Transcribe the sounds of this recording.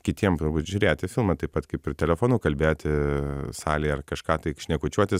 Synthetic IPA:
kʲɪt̪ʲiɛmt̪ʊɾbuːt̪ʒʲʊɾʲeːt̪ʲɪfʲɪlˠmɐt̪ɐɪpɐt̪kɐɪpɪt̪ʲɛlʲɛfoːnuːkɐlʲbʲeːjt̪ʲɪsɑːlʲiːɐrkɐʃkɑːt̪ɐɪkʃʲnʲɛkʊt͡ʃʲuɔt̪ʲɪs

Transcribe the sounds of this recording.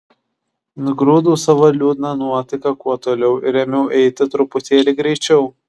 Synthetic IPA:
nʊɡɾuːd̪uːsɐʋɐlʲuːd̪ʲnɐnuɔt̪ʲɪkɐkuɔt̪oːlʲɛʊɪɾʲɛmʲɛʊʔɛɪt̪ʲɪt̪ɾʊpʊt̪ʲeːlʲɪɡɾʲɛɪt͡ʃʲɛʊ

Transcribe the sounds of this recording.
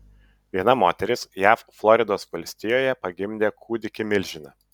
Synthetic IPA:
ʋʲiɛnɐmoːt̪ʲɛɾʲɪsjæːfflˠɔɾʲɪd̪oːsʋɐlʲsʲt̪ʲɪjoːjɛpɐɡʲɪmʲd̪ʲeːkʰuːd̪ʲɪkʲɪmʲɪlʲʒʲɪnɐ

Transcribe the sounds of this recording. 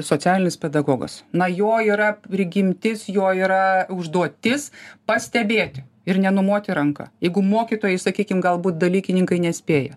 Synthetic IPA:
soːt͡s̪ʲæːlʲɪnʲɪspʲɛd̪ɐɡoːɡɐ̰snɐjoːiːɾɐɾʲɪɡʲɪmʲt̪ʲɪsjoːiːɾɐʊʒd̪uɔt̪ʲɪspɐsʲt̪ʲɛbʲeːt̪ʲɪ | ɪrnʲɛnʊmoːt̪ʲɪɾɐŋkɐ̰jɛɪɡʊmoːkʲit̪oːjɛɪsɐkʲiːkʲɪmɡɐlˠbuːt̪̚d̪ɐlʲiːkʲɪnʲɪŋkɐɪnʲɛsʲpʲeːjɛ

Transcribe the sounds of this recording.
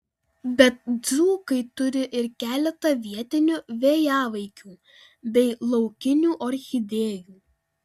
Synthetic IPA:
bʲɛt̪̚d̪zuːkɐɪt̪ʊɾʲɪʔɪɾkʲæːlʲɛt̪ɐʋʲiɛt̪ʲɪnʲuːʋʲeːjɑːʋɐɪkʲuː | bʲɛɪlˠɒʊkʲɪnʲuːʔɔɾʲxʲɪd̪ʲeːjuː

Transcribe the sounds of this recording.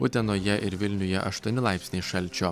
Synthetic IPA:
ʊt̪ʲɛnoːjɛʔɪɾʋʲɪlʲnʲʊjɛʔɐʃt̪uɔnʲɪlˠɑˑɪpʲsʲnʲeɪʃɐlʲˑt͡ʃʲoː

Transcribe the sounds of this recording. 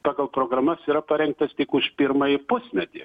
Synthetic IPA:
pɑːɡɐlˠpɾoːɡɾɐːmɐsiːɾɐpɐɾʲɛŋk̚t̪ɐst̪ʲɪkʊʃpʲɪɾmɐjɪpʊsʲmʲɛt̪ʲɪ̰

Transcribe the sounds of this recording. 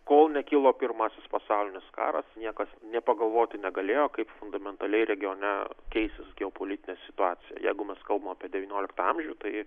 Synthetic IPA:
koːlˠnʲɛkʲɪlˠoːpʲɪrmɑːsʲɪspɐsɑʊlʲɪnʲɪskɑ̰ːɾɐsnʲiɛkɐsnʲɛpɐɡɐlˠʋoːt̪ʲɪnʲɛɡɐlʲeːjoːkɐɪpfʊnd̪ɐmʲɛnt̪ɐlʲɛɪɾʲɛɡʲɪjoːnʲɛkʲɛɪsʲt̪ʲɪsɡʲɛoːpoːlʲɪt̪ʲɪnʲɛːsʲɪt̪ʊɑːt͡s̪ʲɪjɛ̰jɛ̰ɪɡʊmʲɛskɐlˠbɐmɐpʲiɛd̪ʲɛʋʲiːnʲoːlʲɪkt̪ɑɐmʲʒʲuːt̪ɐɪ

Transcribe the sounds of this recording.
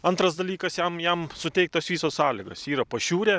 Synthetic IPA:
ɐnt̪ɾɐsd̪ɐlʲiːkɐsjɛmjɛmsʊt̪ʲɛɪk̚t̪osʋʲiːsoːssɑːlʲɪɡɐ̰siːɾɐpɐʃʲuːɾʲeː

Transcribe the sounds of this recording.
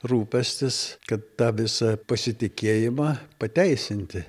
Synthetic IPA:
ruːpʲɛsʲt̪ʲɪskɐt̪t̪ɑːʋʲɪsɐpɐsʲɪt̪ʲɪkʲeːjɪmɑːpɐt̪ʲɛɪsʲɪnʲt̪ʲɪ

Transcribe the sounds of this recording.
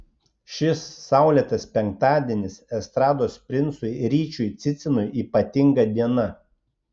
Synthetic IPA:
ʃʲɪsːɑˑʊlʲiɛt̪ɐspʲɛŋk̚t̪ɑːd̪ʲiɛnʲɪsɛst̪ɾɑːd̪oːspʲɾʲɪntsʊjɾʲiːt͡ʃʲʊjt̪sʲɪt̪sʲɪnʊjiːpɐt̪ʲɪŋɡɐd̪ʲiɛnɐ

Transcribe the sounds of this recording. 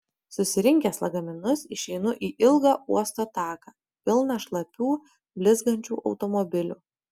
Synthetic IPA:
sʊsʲɪɾʲɪŋʲkʲɛːslˠɐɡɐmʲɪnʊsɪʃʲɛɪnʊʔiːʔɪlˠɡɑːuɔst̪oːt̪ɑːkɑː | pʲɪlˠnɑːʃlˠɐpʲuː | bʲlʲɪzɡɐnʲt͡ʃʲṵːʔɒʊt̪ɔmɔbʲɪlʲuː

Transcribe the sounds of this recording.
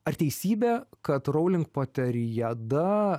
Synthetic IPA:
ɐɾt̪ʲɛɪsʲiːbʲɛːkɐt̪ɾɔʊlʲɪŋk̚poːt̪ʲɛɾʲɪjæd̪ɐ

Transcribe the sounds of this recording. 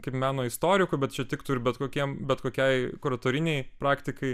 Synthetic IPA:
kɐɪpmʲæːnoːɪst̪oːɾʲɪkʊbʲɛt̪t͡ʃʲɛt̪ʲɪkt̪ʊɾʲbʲɛt̪koːkʲiɛmbʲɛt̪koːkʲɛɪkʊɾɐt̪oːɾʲɪnʲɛɪpɾɑːkt̪ʲɪkɐɪ

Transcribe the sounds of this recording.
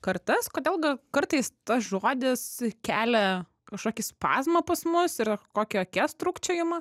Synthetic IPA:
kɐɾt̪ɐskoːd̪ʲeːlˠɡɐkɐɾt̪ɐɪst̪ɐsʒoːd̪ʲɪskʲæːlʲɛ | kɐʃkoːkʲɪspɑ̰ːzmɐpɐsmʊsɪrkoːkʲɛoːkʲɛst̪ɾuːkt͡ʃʲɛjʊmɐ

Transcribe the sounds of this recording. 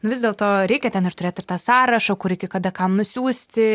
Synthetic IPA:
nʊʋʲɪzd̪ʲeːlˠt̪oːɾʲɛɪkʲɛtʲɛnɪrt̪ʊɾʲeːt̪ɪrt̪ɑːsɑːɾɐʃɐkʊɾʲɛɪkʲɛkɐd̪ɐkɐmnʊsʲuːsʲt̪ʲɪ

